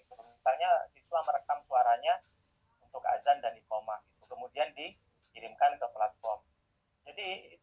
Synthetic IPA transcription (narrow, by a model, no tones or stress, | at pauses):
ubaŋɲasiswaməɾəkamsuaɾaɲa | unt̪ʊka̰d͡ʒandanikomait̪ukəmudiandi | kiɾɪmkankəplat̪̚fɔrm | d͡ʒadi